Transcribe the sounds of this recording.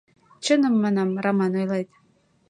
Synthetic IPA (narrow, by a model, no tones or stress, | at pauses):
t͡ɕənə̆mːɑnɑmrɑmɑnojlɑjt̪